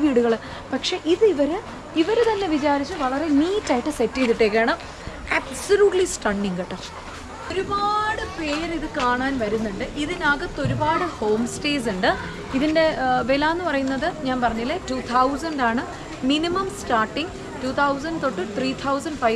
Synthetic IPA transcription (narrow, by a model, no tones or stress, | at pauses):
ʋiːɽuɣɐɭ | pɐkʂe̞ʔiðɨiʋɐɾɨ | iʋɐɾet̪ɐnːe̞ʋit͡ɕaːɾit͡ɕːɨʋɐɭɐre̞niːtːaːjiʈːɨsetːit̪ːiʈːeːkːeːɳɐm | ɐbsɐluːʈlisʈɐɳɖiŋɡɐʈːɐ | o̞ɾubaːɽɨpe̞ːɾiðɨkaːɳaːnʋɐɾunːuɳɖɨʔiðinaːɣɐt̪ːo̞ɾubaːɽɨho̞ːmste̞ːs̬uɳɖɨ | iðinde̞ʋelaːnːɨpɐrɐjunːɐðɨɲaːnpɐrɐɲːilːetuːt̪ʰɐwsɐɳɖaːɳɨ | minimɐmstaːrʈːiŋɡ | tuːt̪ʰɐws̬ɐnɖt̪o̞ʈːɨt̪riːt̪ʰɐwsɐɳɖfɐj